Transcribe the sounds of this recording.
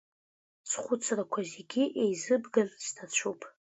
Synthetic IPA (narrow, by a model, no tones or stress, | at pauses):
sχʷʊt͡sʰrakʷʰazeɡʲiʔejzɨbɡalz̥tʰat͡ɕʷʰupʼ